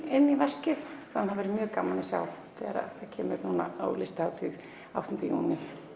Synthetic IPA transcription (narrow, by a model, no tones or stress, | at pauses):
ɪnːivɛr̥cɪðanhavɛːɾɪmjœːɣkaːmalɪsjawθɛːɣaɾa̰ðθaðcʰɛːmɪðnuːna̰awlɪst̪haːwt̪ʰɪð | a̰wht̪ʏnt̪ɪjṵːnɪ̥